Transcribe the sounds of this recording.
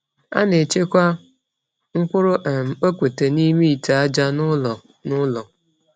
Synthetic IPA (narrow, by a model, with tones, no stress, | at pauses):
a̰˦ne˨t͡ʃe˦kʷa˦ | ŋ̩˦kʷʊ˦ɾʊ˦ʔe˨m̩˨o˦kʷe˨te˨ni˦mi˦i˨ta˨a˦d͡ʒa˦n˦ɔ˨ | nʊ˦lɔ˨